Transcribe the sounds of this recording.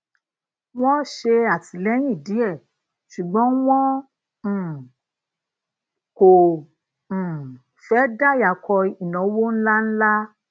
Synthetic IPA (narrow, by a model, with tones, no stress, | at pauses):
w̃ɔ̃˦ʃe˧a˨ti˨˦lɛ˨˦j̃ĩ˦˨di˨˦ɛ˦˨ | ʃu˨ɡ͡bɔ̃˨˦w̃ɔ̃˦˨ | kõ˨ | fɛ˨˦da˦˨ja˨kɔ˧i˨nɔ̃˨˦wo˦n̩˦la˦n̩˦la˦